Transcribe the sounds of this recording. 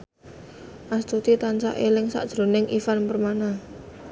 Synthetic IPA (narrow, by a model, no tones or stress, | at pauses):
ʔast̪ut̪it̪ant͡ʃa̰ʔelɪŋsa̰ʔd̥ʒ̥ɾo̤nɪŋʔifanpərmana